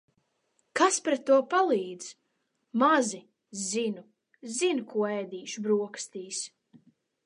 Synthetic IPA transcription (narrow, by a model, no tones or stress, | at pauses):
kaspɾɛt̪ːuɔpalˠiːd̪z̥ | mazi | zinu | zinkuɔɛjd̪iːʃbɾuɔkst̪iːs